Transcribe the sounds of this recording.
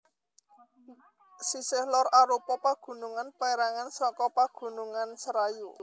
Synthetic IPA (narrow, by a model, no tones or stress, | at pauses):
sisɪhlɔɾaɾupɔpaɡ̥ṳnuŋanpaeɾaŋansɔkɔpaɡ̥ṳnuŋansəɾaju